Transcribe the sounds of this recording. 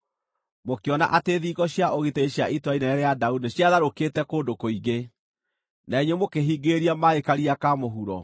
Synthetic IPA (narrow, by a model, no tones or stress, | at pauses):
mokeɔna̰ʔateːðiɡɔɕjaʔoɣiteɕjaʔitwainɛɛɾeadaudiɕjaðaɾoketɛkoːndokoiɡe | naeɲɛmokeɦiɡeɾiamaekaɾiakamoɦuɾɔ